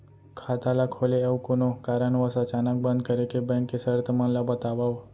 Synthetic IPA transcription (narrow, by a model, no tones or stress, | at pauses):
kʰat̪alakʰoleəʋkonokaɾanʋəsat͡ʃanak̚bə̃nd̪̚kəɾekebɛ̃ŋkːesəɾt̪ʰəmanlabət̪aʋaʋ